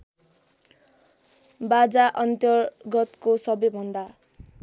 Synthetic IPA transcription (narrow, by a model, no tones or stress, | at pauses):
bad͡zaʔʌnt̪ʌɡʌt̪kosʌbʌjbʱʌnd̪a